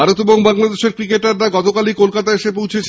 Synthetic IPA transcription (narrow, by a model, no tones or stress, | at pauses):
aɾot̪eboŋbaŋlad̪eʃeɾkɾikeʈaɾːaɡɔt̪okalikolkat̪aeʃepowt͡ɕʰet͡ɕʰ